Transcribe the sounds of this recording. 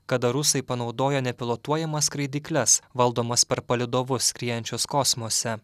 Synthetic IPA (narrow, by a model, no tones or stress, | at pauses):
kɐd̪ɐɾʊsɐɪpɐnɒʊd̪oːjɛnʲɛpʲɪlˠoːt̪uɔjɛmɐskɾɐɪd̪ʲiːklʲɛsʋɐlˠd̪oːmɐspʲɛɾpɐlʲɪd̪oːʋʊskʲɾʲiːjɛnʲt͡ʃʲʊskɔsmoːsʲɛ